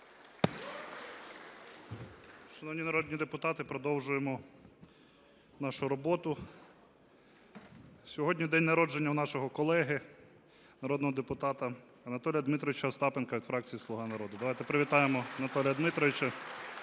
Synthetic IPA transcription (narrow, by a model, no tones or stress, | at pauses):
ʃɐnɔwnʲinɐɾɔd̪ʲnʲid̪epʊt̪ɑt̪ɪpɾɔd̪ɔwʒʊjemɔ | nɑʃʊɾɔbɔt̪ʊ | sʲɔɦɔdʲnʲid̪ɛnʲnɐɾɔd͡ʒenʲːɐwnɑʃɔɦɔkɔlˠɛɦɪ | nɐɾɔd̪nɔɦɔd̪epʊt̪ɑt̪ɐ | ɐnɐt̪ɔlʲjɐd̪mɪt̪ɾɔʋɪt͡ʃɐst̪ɑpenkɐʋʲid̪̥fɾɑk̚t͡sʲijislˠʊɦɑnɐɾɔd̪ʊd̪ɐʋɑjt̪ɛpɾɪʋʲit̪ɑjemɔɐnɐt̪ɔlʲijɐd̪mɪt̪ɾɔʋɪt͡ʃɐ